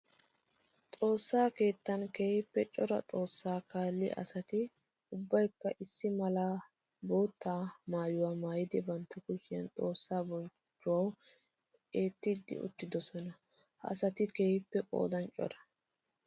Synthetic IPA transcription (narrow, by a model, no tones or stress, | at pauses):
t̪ʼo̞ːsːaːke̞ːt̪ːɐnkeːhɪpːɛt͡ʃʼɔɾɐ̰t̪ʼo̞ːsːaːkaːlːɪ̰ʔɐ̰sɐt̪ɪ | ʊbːɐjkːɐʔɪsːɪmɐlɐ | bo̞ːt̪ːaːmaːjʊwaːmaːjɪd̪ɪbɐnt̪ːɐkʊʃɪjɐnt̪ʼo̞ːsːaːbɔnt͡ʃːʊwɐw | e̞ːt̪ːɪd̪ːɪ̰ʊ̰t̪ːɪd̪ɔsɔnɐ | ʔɐ̰sɐt̪ɪkeːhɪpːɛpʼo̞̰ːd̪ɐnt͡ʃʼɔ̰ɾɐ̥